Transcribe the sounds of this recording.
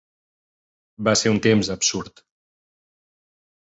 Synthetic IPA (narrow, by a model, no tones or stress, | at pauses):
baseɾunt̪emzəpsuɾt̪